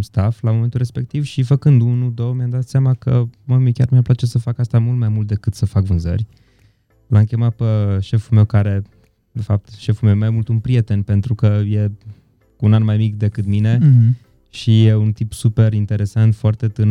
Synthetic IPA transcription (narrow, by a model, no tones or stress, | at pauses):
st̪aflamoment̪ulɾespe̞k̚t̪ivʃifəkɨnd̪unud̪owmjamd̪at̪sjamakəmamikʲarmiaplat͡ʃe̞səfakast̪amult̪majmult̪̚d̪e̞kɨt̪səfakvɨnzə̰rʲ | lamkʲemat̪̚pəʃe̞fulme̞wkaɾe̞ | d̪e̞fap̚t̪ʃe̞fulmewjemajmult̪unpɾie̞t̪e̞npe̞nt̪ɾukəje̞ | unanmajmikd̪e̞kɨt̪mine̞ | ʃijeunt̪ipsupe̞ɾint̪e̞ɾe̞sant̪foart̪e̞t̪ɨn